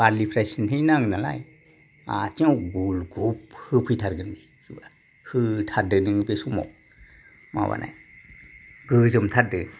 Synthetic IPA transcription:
baɾlipʰɾasinhejnaŋnala̰j | a̰t͡ʃiŋawɡulɡup̚hɯpʰɯjtʰaɾɡɯnbi | a | hɯtʰadɯnɯŋɯbesumɔ̰w | ma̰wa̰nʔa̰j | ɡɯzɯmtʰadɯ

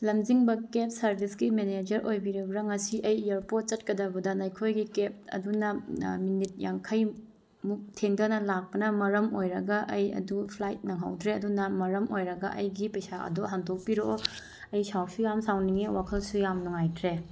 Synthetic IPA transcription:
lɐmd͡ʒiŋbɐkep̚sɐɾbʱisɡimened͡ʒɐɾʔojbiɾebɾɐŋɐsiʔɐjeɾpot̚t͡ʃɐt̚kɐdɐbɐdɐnajkʰojɡikep̚ɐ̰dunɐminit̚ja̰ŋkʰɐj | muk̚tʰeŋdɐnɐlak̚pɐnɐmɐɾɐmojɾɐɡɐʔɐjɐ̰dupʰlajt̚nɐŋɦa̰wtʰɾeɐdunɐmɐɾɐmojɾɐɡɐ̰ʔɐjɡipɐjsaɐ̰doɦandok̚piɾoʔo | ɐjsawsujamsawniŋewakʰɐlsujamnuŋajtʰɾe

